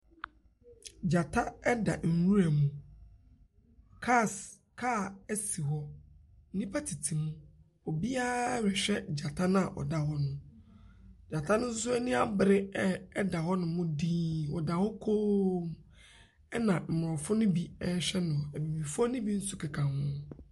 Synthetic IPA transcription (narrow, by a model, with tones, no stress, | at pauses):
d͡ʑa˨tʰa˦ɛ˦da̰˨ŋ̩˨wu˦ɾæ˨mũ˨ | kʰa˦˨s | kʰa˦˨ɛ˦si˨ɦɔ˦ | n̩˦nĩ˦pʰa˦tʰi˨tʰi˨mũ˦ | ɔ˨bi˦a˦ɾɪ˨ɕᶣɛ˦d͡ʑa˨tʰa˦nã˦a˨ʔɔ̰˨da˨hɔ˦nʊ̃˦ | d͡ʑa˨tʰa˦nʊ̃˦sʊ˦sʊ˦ɛ˦nĩ˦a˨bɪ˨ɾɪ˦ɛ˦ɛ˦da˨hɔ˦nʊ̃˨mʊ̃˦diː˦wɔ˨da˨hɔ˦kʰoː˦m˦ | ɛ˦nã˨m̩˨mʊ˨ɔ˨fʊ˦nʊ̃˦bi˦ɛ˦ɕᶣɛ˦nʊ̃˨æ˨bi˨bi˨fʊ˦ɔ˦nʊ̃˦bi˦n̩˦sʊ˦kʰɪ˨kʰã˨mhʊ̃˦